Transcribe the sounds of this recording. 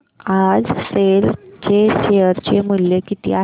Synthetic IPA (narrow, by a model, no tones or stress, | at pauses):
ad͡zselt͡ɕeɕejəɾt͡ɕemuljəkit̪ḭːa